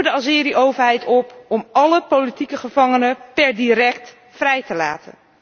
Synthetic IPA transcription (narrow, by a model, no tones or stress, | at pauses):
ədəɑzɪːɾiʔowvəɹɦɛjtɔpɔmɑləpowlitikəχəv̥ɑŋənəpɛɹdiɾɛk̚t | frɛjtəla̰ːtə̰n